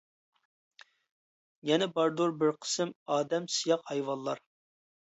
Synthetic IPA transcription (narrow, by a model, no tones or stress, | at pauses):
jɛnɛbɑɾd̪uɾbɪɾqʰə̥sɨmɑːd̪ɛmsijɑqhɑjwɑlˠːɑɾ